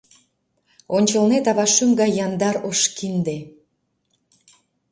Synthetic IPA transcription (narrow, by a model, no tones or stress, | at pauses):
onʲt͡ɕəlnet̪ɑβɑʃymɡɑjːɑnd̪ɑɾoʃkind̪e